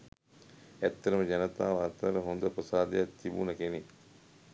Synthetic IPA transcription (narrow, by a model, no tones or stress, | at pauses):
æt̪ːɐɾəməd͡ʒanət̪aːʋaːt̪aɾəɦond̪əpɾəsaːd̪ejat̪ːibṵnəkene